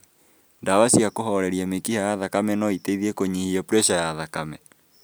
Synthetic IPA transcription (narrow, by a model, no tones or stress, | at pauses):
ndawasiakoɦɔɾɛɾiamekihajaðakamɛnɔiteiðiekoɲihiɛpuɾɛʃajaðakamɛ